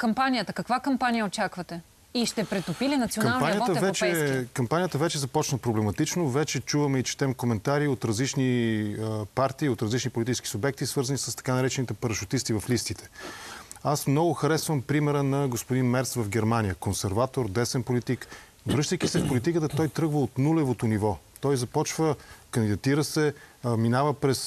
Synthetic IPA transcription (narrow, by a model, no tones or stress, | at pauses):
kɐmpanʲijət̪əkɐkvakɐmpanʲijəot͡ʃakvɐt̪ɛ | iʃt̪ɛpɾɛt̪opilinɐt̪sionkɐapanijt̪əvɛɾt͡ʃɛkɐmpanʲijət̪əvɛt͡ʃɛzɐpɔt͡ʃnəpɾoblɛmɐt̪it͡ʃnovɛt͡ʃɛt͡ʃuvɐmɛit͡ʃɛ̥t̪ɛmkomɛnt̪aɾiot̪ɾɐzlit͡ʃniəpaɾt̪iːot̪ɾɐzlit͡ʃnipolit̪it͡ʃɛski̥sʊbɛk̚t̪isvɤɾzənisəst̪ɐ̥kanɐɾɛt͡ʃɛnit̪ɛpɐɾɐʃʊt̪ist̪ivɐflist̪it̪ɛ̥ | asmnɔɡoxɐɾɛsvəmpɾimɛɾənɐɡospod̪inmɛɾsvəfɡɛɾmanijəkonsɛɾvat̪oɾd̪ɛsɛnpolit̪ik | vɾɤʃt̪əjkisɛfpolit̪ikət̪ət̪ɔjt̪ɾɤɡvəot̪nulɛvot̪onivɔt̪ɔjzɐpɔt͡ʃvəkənd̪id̪ɐt̪iɾəsɛminavəpɾɛs